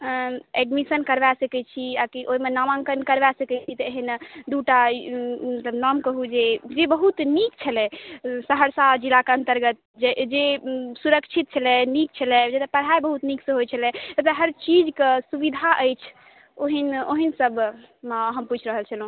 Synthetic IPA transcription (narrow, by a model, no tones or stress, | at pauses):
ɛɖmisənkəɾʋasəkɛt͡ʃʰiakiʔoimenamãŋkənkəɾʋasəkɛt͡ʃʰit̪ɔeɦind̪uʈamət̪ləbnɔmkəɦud͡ʒed͡ʒebəɦut̪nik̚t͡ʃʰəlɛsəɦəɾsad͡ʒilakeə̃nt̪əɾɡət̪̚ | d͡ʒed͡ʒesuɾəkt͡ʃʰit̪̚t͡ʃʰəlɛnik̚t͡ʃʰəlɛd͡ʒet̪əpəɽ̤ɦajbəɦut̪niksẽɦojt͡ʃʰəlɛt̪ət̪eɦəɾt͡ʃid͡ʒkesubid̪ʱaʔəjt͡ʃʰ | oɦinoɦinsəb | mɦəmput͡ʃʰɾəɦəlt͡ʃʰəlɦũ